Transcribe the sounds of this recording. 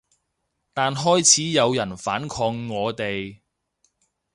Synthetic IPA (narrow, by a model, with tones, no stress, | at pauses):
t̪aː˨nɦɔː˥jt͡sʰiː˨˥jɐ˨˧wjɐ˨˩nfaː˨˥nkʰɔː˧ŋːɔː˨˧t̪e˨j